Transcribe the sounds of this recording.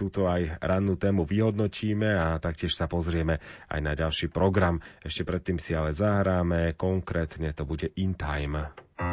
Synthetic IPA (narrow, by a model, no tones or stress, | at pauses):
t̪uːt̪ɔajɾʔanːuːt̪ɛːmuʋiɦɔd̪nɔciːmɛat̪akcɪɛʃsapɔzɾɪɛmɛa̰jnaɟalʃiːpɾɔɡɾamɛʃcɛpɾɛt̪ːiːmsialɛzaɦɾaːmɛkɔŋkɾɛːt̪ɲɛt̪ɔbuɟɛʔint̪a̰jm